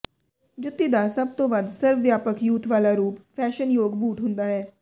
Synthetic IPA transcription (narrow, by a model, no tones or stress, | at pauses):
d͡ʒʊt̪ːid̪aːsəb̚t̪õːʋəd̪səɾʋʋjaːpəkjuːt̪ʋaːlaːɾuːpfʰɛːʃənjoːɡbuːʈɦʊnd̪aːɦɛː